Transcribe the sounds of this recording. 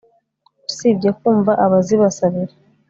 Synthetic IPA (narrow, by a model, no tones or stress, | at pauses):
usibɟekuːɱvaʔaβaziβasaβiɾe